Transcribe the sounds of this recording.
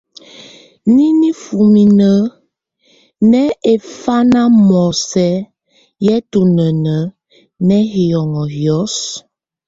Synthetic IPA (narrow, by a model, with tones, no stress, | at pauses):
ni˦ni˦fu˨mi˨nə˨˦ | nɛ˦e˨fa˦na˦mɔ˨sɛ˦ | jɛ˦tu˨nə˨nə˨˦ | nɛ˦hi˨jɔ˨ŋɔ˨hjɔ˨˦s